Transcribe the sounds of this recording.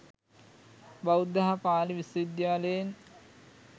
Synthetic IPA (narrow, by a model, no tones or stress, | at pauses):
bawd̪ːaɦapaːliʋisʋid̪jaːləjen